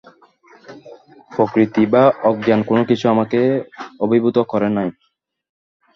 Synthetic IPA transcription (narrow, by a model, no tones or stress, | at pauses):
pokɾit̪ibaɔɡjankonokit͡ɕʰuamakeobibʱut̪okɔɾenɔj